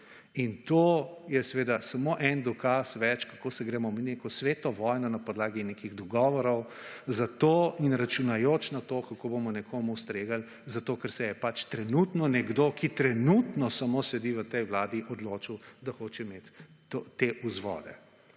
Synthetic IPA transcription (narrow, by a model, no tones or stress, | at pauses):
int̪oːjɛsɛʋeːd̪asamoːʔɛnd̪ɔkasʋɛt͡ʃkakoːsɛɡɾɛːmɔminekɔsʋeːt̪ɔʋɔjnɔnapɔd̪laːɡinekiɣd̪ɔɡɔːʋɔɾɔwzat̪oinɾat͡ʃunajot͡ʃnat̪okakobomɔnɛkʰoːmust̪ɾeːɡal | zat̪oːkɛɾsɛjɛpat͡ʃt̪ɾɛnut̪nɔnɛɡd̪okit̪ɾɛnut̪nɔsamosɛd̪iʋət̪ɛjʋlaːd̪iʔɔd̪loːt͡ʃiwd̪axoːt͡ʃɛmet̪ː | ot̪eʔuzʋɔ̰d̪ɛ̰